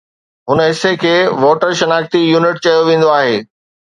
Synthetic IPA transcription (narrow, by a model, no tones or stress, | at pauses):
ɦʊnəɦɪsekʰeːʋoːʈəɾʃɐnaːxt̪ijuːnɪʈ̚t͡ɕɐjoʋẽːn̆d̪oaːɦeː